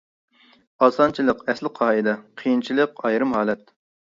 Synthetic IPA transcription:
ɑːsɑnt͡ʃʰilˠəqɛslɪqʰɑːɨd̪ɑqʰijint͡ʃʰilˠəqɑjɾɨmhɑːlˠɛt̪̚

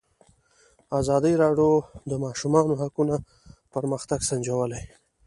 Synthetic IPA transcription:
azɑd̪əɾɑɖjod̪əmɑʃumɑnoɦakuna | pəɾməxt̪aɡsand͡ʒawəlaj

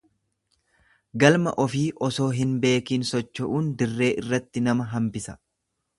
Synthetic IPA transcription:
ɡɐlmɐ̰ʔɔfiːʔɔso̞ːɦɪnbe̞ːkiːnsɔt͡ʃːɐʔuːnd̪ɪrːe̞ːʔɪrːɐt̪ːɪnɐmɐɦɐmbɪsɐ̥

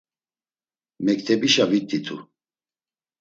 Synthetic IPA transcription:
mɛk̚t̪ʰɛbiʃavit̪ʰʼːit̪ʰu

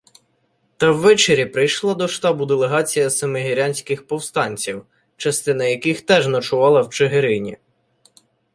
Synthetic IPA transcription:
t̪ɐwːɛt͡ʃeɾʲipɾɪjʃlˠɑd̪ɔʃt̪ɑbʊd̪elˠeɦɑt͡sʲijɐsɐmeɦɪɾʲanʲsʲkɪxpɔwst̪ɑnʲt͡sʲiw | t͡ʃɐst̪ɪnɐjɐkɪxt̪ɛʒnɐt͡ʃʊʋɑlˠɐwt͡ʃeɦeɾɪnʲḭ

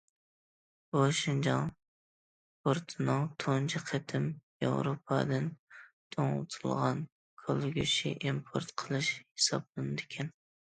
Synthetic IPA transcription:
boʃiŋd͡ʒɑŋ | poɾt̪ʰɨnɨŋt̪ʰont͡ʃʰɪqʰet̪ʰɪmjḛwɾopʰɑ̰d̪ɨnt̪ʰoŋ̰ˠt̪ʰɨlˠʁɑn | kʰolˠɡʲuʃḭʔimpʰoɾt̪qʰəlˠɨʃhe̥sɑ̰blˠɨnɨd̪ɪkʲʰɛn

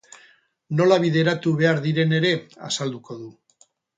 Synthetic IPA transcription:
no̞laβ̞iðe̞ɾat̪uβe̞aɾðiɾe̞ne̞ɾe̞a̰sald̪uko̞ðu

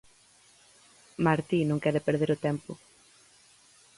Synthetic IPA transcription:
maɾt̪inõŋkɛɾɪpeɾðeɾʊt̪ɛmpʊ

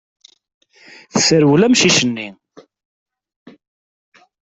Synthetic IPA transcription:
θəsəɾwlæmʃiʃənːi

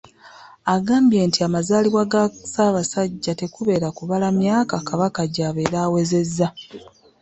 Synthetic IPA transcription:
aɡaːmbje̞ːntiamazaːliβwaɡasaːβasaɟːate̞kuβe̞ːɾakuβalamjaːkakaβakaɟaːβe̞ːɾawe̞ze̞zːa

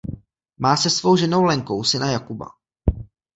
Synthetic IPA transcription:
maːsɛsvowʒɛno̞wlɛŋko̞wsɪnajakuba̰

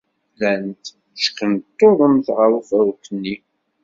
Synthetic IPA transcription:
lænt̪ | ʃkːənt̪ːoðˤəmθʁəɾufæɾukənːi

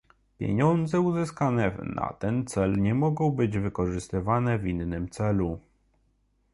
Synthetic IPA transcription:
pʲjḛɲɔnd̪zɛuzɘskanɛna̰t̪ɛnt̪sɛlɲɛmɔɡɔ̃w̃bɘd͡ʑvɘkɔʐɘst̪ɘvanɛvʲinːɘmt̪sɛlu

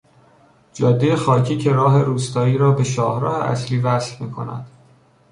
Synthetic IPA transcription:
d͡ʒɒːd̪ːejexɒːcʰiːcʰe̞ɾɒːɦe̞ɾuːst̪ɒːiːɾɒːbe̞ʃɒːhɾɒ̰ːhḛʔæ̰sliːvæsfmiːkʰo̞̰næ̰d̪̥

